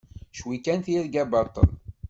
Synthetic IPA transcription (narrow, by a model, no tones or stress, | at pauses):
ʃwikænθiɾɡæbɑt̪ˤːə̰l